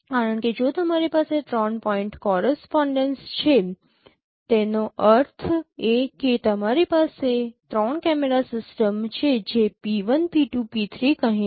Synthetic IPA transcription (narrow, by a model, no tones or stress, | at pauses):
kaɾəɳked͡ʒot̪əmaɾipaset̪ɾɔnpɔiɳʈkɔɾəspɔɳɖənst͡ʃʰe | t̪enoʔəɾt̪ʰeket̪əmaɾipaset̪ɾɔɳkɛmeɾasɪsʈəmt͡ʃʰed͡ʒepiʋənpiʈupit̪ʰɾikəɦĩ